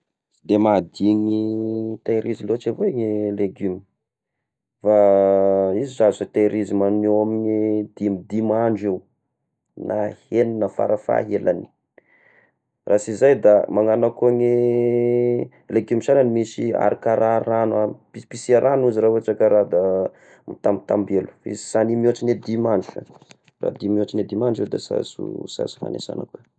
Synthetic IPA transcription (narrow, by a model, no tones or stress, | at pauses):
d̪emad̪iɲit̪aɾizilot͡ʃeveŋeleɡymi | fa | izizazat̪aɾizimanewaminid̪̥imid̪imaɳɖ͡ʐiw | nʔaheninəfa̰ɾafa̰ɦela̰ni̥ | rasizajd̪amaŋanakoŋe | lekimiʃananimisia̰ɾikaɾaranapipisiaɾanuziɾauaʈ͡ʂəkəɾad̪a | mut̪amit̪ambelu̥ḭzsanimoaʈ͡ʂined̪imaɳa̰ | ra̰d̪imoaʈ͡ʂined̪imaɳɖ͡ʐewd̪asa̰sṵsa̰su̥fa̰nḛsa̰nə̰kuə